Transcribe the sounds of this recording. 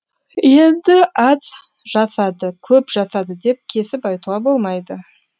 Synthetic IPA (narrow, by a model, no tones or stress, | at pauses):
je̞nd̪ɪʔɑz | ʒɑsɑd̪əkʲʰɵpʒɑsɑd̪əd̪e̞p̚kʲʰe̞sɪpɑjt̪uʁɑbo̞lˠmɑjd̪ə